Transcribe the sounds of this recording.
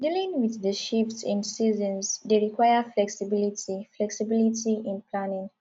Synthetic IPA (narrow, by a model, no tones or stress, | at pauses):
dilĩŋwiððəʃiftsɪ̃nsizə̃nzdeɹikʰwaɪəflɛksibilitiflɛksibilitiĩnpʰlanɪ̃ŋ